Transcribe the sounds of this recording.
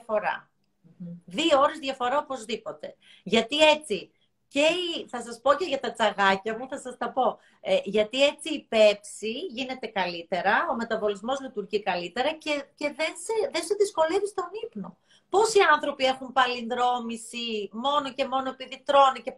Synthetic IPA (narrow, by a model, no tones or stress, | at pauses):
ɐfo̞ɾɐ̰ | ðiooɾe̞zðʝɐfo̞ɾaopo̞zðipo̞t̪e̞ | ʝɐt̪ie̞t͡si | ce̞iθɐsɐspo̞ce̞ʝɐt̪ɐt͡sɐɣɐcɐmuθɐsɐst̪ɐpo̞ | eʝɐt̪ie̞t͡siːpe̞psiʝine̞t̪e̞kɐlit̪e̞ɾɐo̞me̞t̪ɐvo̞lizmo̞zlit̪uɾʝikɐlit̪e̞ɾɐcece̞ðenseðenseðisko̞le̞vist̪o̞nipno̞ | po̞siɐnθɾo̞pie̞xumpɐlindɾo̞misimo̞noce̞mo̞no̞e̞piðit̪ɾo̞nice